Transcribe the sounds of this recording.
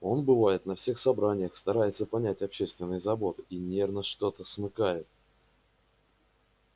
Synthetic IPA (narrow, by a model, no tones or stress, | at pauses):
o̞nbɨvajɪt̪nɐfsʲe̞xsɐbɾanʲɪjəxst̪ɐɾajɪt̪səpɐnʲætʲɐpɕːest̪vʲɪnːɨjzɐbo̞t̪inʲe̞rnəʂt̪o̞t̪əsmɨkajɪt̪̚